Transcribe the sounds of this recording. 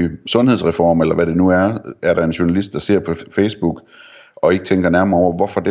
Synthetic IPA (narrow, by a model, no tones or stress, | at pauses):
sɔ̽nheð̞ˠsʁɛfɒ̰ːmelɐʋæɾe̝nuæɐæɐɾɑ̈e̝nɕuɐnælisd̥̚d̥ɑ̈se̝ɐ̰pʰɒ̽feɪsb̥uɡ̥ | ɒ̽e̝ɡ̥ət͡sʰeŋɡ̥ɐnæɐmɐɒʊ̰ɐʋɒfɒ̽d̥e